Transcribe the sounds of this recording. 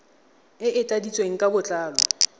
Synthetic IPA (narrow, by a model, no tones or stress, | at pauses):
ɪʔɪtʼadit͡sʼweŋ̩kʼabʊt͡ɬʼaːlɔ